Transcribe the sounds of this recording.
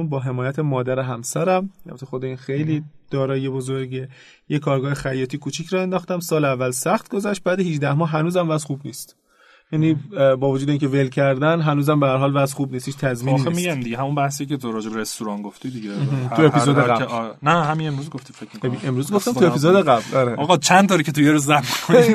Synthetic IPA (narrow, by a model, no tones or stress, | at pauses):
nbɒːɦe̞mɒːjæt̪ʰemɒːd̪æɾeɦæmsæɾæmælbæt̪ʰexod̪eiːnxejliːd̪̥ɒːɾɒːjiebo̞zoɾɟe | jekʰɒːɾɡɒːhexæjːɒːt̪ʰiːkʰuːt͡ʃʰiːcʰɾɒːe̞nd̪ɒːxt̪æmsɒːlævːælsæχt̪ɡo̞zæʃt̪̚bæːd̪ehid͡ʒd̪æhmɒːɦænuːzæmvæzχuːbniːst̪ | jæniːbɒːvod͡ʒuːd̪e̞iːŋʲcʰe̞ve̞lcʰæɾd̪ænɦænuːzæmbehæɾɦɒːlvæzxuːbniːst̪hiːt͡ʃt̪ʰæzminemiɡæmd̪iɟeɦæmunbæhs̬ijcʲeoɾɒːd͡ʒebeɾest̪uɾɒːnɡoft̪id̪iɡemːɦ̪ʰuepʰizoːd̪eɡæbnæhæminemɾuːzɡoft̪ifekmeemɾuːzɡo̞ft̪æmt̪uepizoːd̪eɣæblɒɾeɒɣɒt͡ʃʰænd̪t̪ɒːɾikcʰet̪ujeɾuzæbmikʰoi